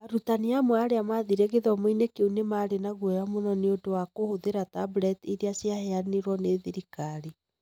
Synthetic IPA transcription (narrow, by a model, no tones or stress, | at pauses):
aɾutaniamwaɾeamaðiɾeɣeðɔmoinekeunemaɾenaɣwɔjamonɔneodowakohoðeɾatabɾɛtiɾiasjahɛaneɾwɔneðiɾikaɾi